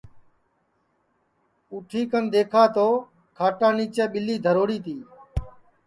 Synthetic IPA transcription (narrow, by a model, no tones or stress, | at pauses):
uːʈʰiːkənd̪eːkʰaːt̪oː | kʰaːʈãːniːt͡ʃeːɓɪliːd̪ʱəɾoːɽiːt̪iː